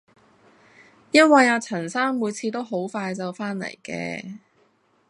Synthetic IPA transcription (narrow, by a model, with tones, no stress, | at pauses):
jɐ˥n̚wɐ˨jaː˧t͡sʰɐ˨˩nsaː˥ŋmuː˨˧jt͡sʰiː˨˧t̪o˥wɦo˨˥wfaː˧jt͡sɐ˨wfaː˥nlɐ̰˨˩jkɛ̰ː˧